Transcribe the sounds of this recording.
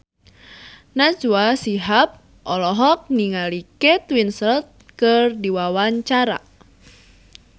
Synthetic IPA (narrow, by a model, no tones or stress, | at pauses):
nad͡ʒuasiɦap̚ | ʔɔlɔɦɔk̚niŋaliket̪winsəlt̪̚kɨrdiwawaɲt͡ʃaɾa̰